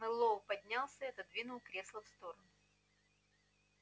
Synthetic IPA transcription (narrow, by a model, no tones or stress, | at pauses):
mɨlˠopɐdʲnʲalˠsʲəɛt̪əd̪vʲinʊlˠkɾʲe̞slˠəfst̪o̞ɾənʊ